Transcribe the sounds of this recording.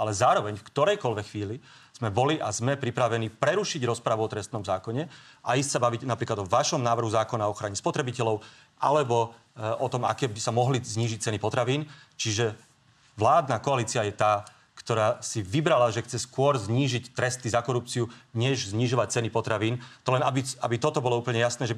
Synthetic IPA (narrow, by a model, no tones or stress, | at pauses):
alɛzaːɾɔʋɛɲfkt̪ɔɾɛjkɔlʋɛxʋiːli | z̥mɛbɔliʔazmɛpɾipɾaʋɛnipɾɛɾuʃiɟɾɔspɾaʋuɔt̪ɾɛst̪nɔmzaːkɔɲɛʔaiscsabaʋiɟnapɾiːklad̪ɔʋaʃɔmnaːʋr̩ɦuzaːkɔnaɔxɾaɲɛspɔt̪ɾɛbicɛlɔʊ | ʔa̰lɛbɔ | ɔt̪ɔma̰kɛːbisamɔɦlizɲiːʒic̚t͡sɛnipɔt̪ɾaʋiːnt͡ʃiʒɛ | ʋlaːd̪nakɔaliːt͡siajɛt̪aː | kt̪ɔɾaːsiʋibɾalaʒɛxt͡sɛskʊɔɾzɲiːʒict̪ɾɛst̪izakɔɾup̚t͡siuɲɛʒzɲiʒɔʋac̚t͡sɛnipɔt̪ɾaʋiːnt̪ɔlɛnabiabit̪ɔt̪ɔbɔlɔuːpl̩ɲɛjasnɛːʒɛ